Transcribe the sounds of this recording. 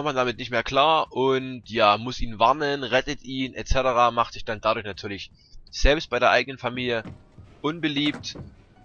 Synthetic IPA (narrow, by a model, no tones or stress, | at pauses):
mandamɪt̚nɪçtmeːɐkl̥aːɐʔʊntjaːmʊsʔiːnvaɐnənʁɛtətʔiːnʔɛt͡sɛtəʁaːmaχtz̥ɪçd̥andadʊɐçnatʰyːɐlɪç | z̥ɛlpst̚b̥aɪɾeːɐʔaɪɡənənfamiːljə | ʔʊnbəliːp̚t